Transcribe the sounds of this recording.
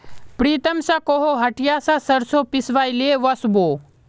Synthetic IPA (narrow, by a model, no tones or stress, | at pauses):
pɾiːt̪ɐmsakoɦoɦɐʈjasasɐɾsopisʋajleʋɐsboː